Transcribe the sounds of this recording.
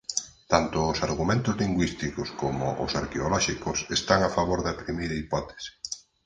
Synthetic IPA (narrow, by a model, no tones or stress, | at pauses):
t̪ant̪ʊːsaɾɣumẽnt̪ʊzliŋɡwist̪ikʊskomʊ̰ʔʊ̰saɾkeolɔʃikʊsest̪aŋafaβoɾðapɾimiɾaipɔt̪e̥si̥